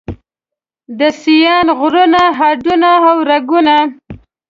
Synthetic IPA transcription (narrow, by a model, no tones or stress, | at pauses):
d̪əsijɑnɣɾunaɦaɖunaːwɾaɡuna